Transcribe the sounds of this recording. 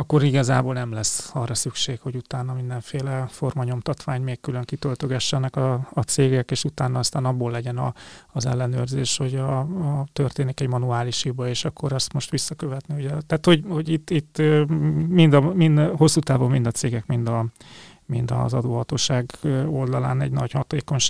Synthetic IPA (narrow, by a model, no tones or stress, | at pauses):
ɒkːo̞ɾiɡɒzaːboːlnɛmlɛsɒrːɒsykʃeːkho̞ɟut̪aːnɒmind̪ɛɱfeːlɛfo̞rmɒɲo̞mt̪ɒt̪ʋaːɲmeːkkyløŋkit̪ølt̪øɡɛʃːɛnɛkɒːt̪seːɡɛkeːʃut̪aːnːɒːst̪aːnɒbːoːlːɛɟɛnɒːzɛ̰lːɛnø̰ːrzeːʃho̞ɟɒːt̪ørt̪eːnikɛɟmɒnuaːliʃhibɒeːʃɒkːoɾɛst̪mo̞ʃt̪ʋisːɒkø̞vɛt̪nihoɟɛt̪aːt̪ho̞ɟho̞ɟit̪ːit̪ːømind̪ɒmind̪ho̞sːuːt̪aːvo̞mmind̪ɒt̪seːɡɛkmind̪ɒ | mind̪ɒ̰zɒd̪oːɦɒt̪oːʃaːɡo̞ld̪ɒla̰ːnɛ̰ɟnɒɟhɒt̪eːko̞ɲʃ